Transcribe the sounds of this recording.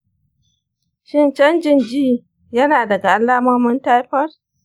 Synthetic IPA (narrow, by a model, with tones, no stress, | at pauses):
ʃɪ˦nt͡ʃɐ˦nd͡ʒɪ˦nd͡ʒiː˦ | jɐ˦naː˨dɐ˨ɡa˨ʔa˦lːaː˦mɐ˦mʊ˦nta˦jɸɐ˦r